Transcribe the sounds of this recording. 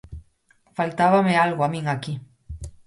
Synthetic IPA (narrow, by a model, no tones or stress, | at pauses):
falt̪aβamealɣoamĩŋaki